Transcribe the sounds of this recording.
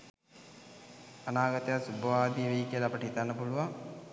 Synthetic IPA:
anaːɡət̪ejasubəʋaːd̪ijʋeikiəlapəʈəɦit̪anːəpuluʋaŋ

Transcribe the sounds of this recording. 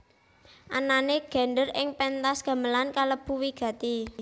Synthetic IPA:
ʔananeɡ̥a̤nɖərɪŋpɛnt̪asɡ̥a̤məlankaləb̥ṳwiɡ̥ä̤t̪i

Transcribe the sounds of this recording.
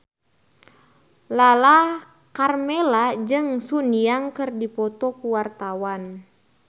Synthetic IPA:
lala | karmɛlad͡ʒɨŋsuniaŋkɨrdipɔt̪ɔkuwart̪awan

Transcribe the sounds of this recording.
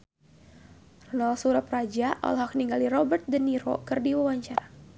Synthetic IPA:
rɔnalsuɾaprad͡ʒaʔa̰lɦak̚niŋɡalirɔbərt̪̚dəniɾo̰kɨrdiwawaɲt͡ʃaɾa

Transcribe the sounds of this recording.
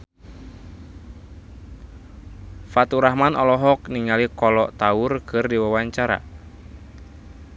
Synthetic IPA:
fat̪uɾahmanɔlɔɦɔkniŋalikɔlɔʔt̪aʊrkʰɨrdiwawaɲt͡ʃaɾa̰

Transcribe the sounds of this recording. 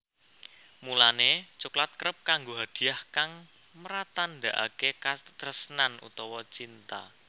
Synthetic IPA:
mulanet͡ʃuklat̪̚kəɾəp̚kaŋɡoɦad̪̥i̤ahkaŋməɾat̪and̪aʔa̰kekat̪əɾəsənanṵt̪ɔwɔt͡ʃint̪a̰

